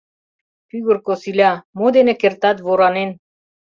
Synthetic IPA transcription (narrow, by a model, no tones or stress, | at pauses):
fiɣurkosilʲɑmod̪enə̆kert̪ɑt̪βoɾɑnen